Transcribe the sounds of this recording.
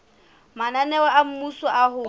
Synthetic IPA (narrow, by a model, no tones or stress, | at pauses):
mananɛwaʔam̩musɔʔaɦʊ